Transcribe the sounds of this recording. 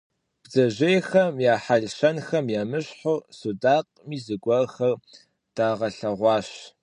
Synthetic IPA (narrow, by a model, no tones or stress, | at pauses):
b̥zɐʒejxɐmjaːħaɮʃɐnxɐmjaːmɨɕħosudaːq̚ʼ | miːzɨɡʷɔrxɐr | d̥aːʁɐɬɐʁʷɑːɕ